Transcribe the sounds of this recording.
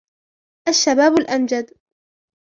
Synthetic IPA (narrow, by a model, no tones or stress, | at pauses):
ʔaʃːabaːbʊlʔamd͡ʒad̪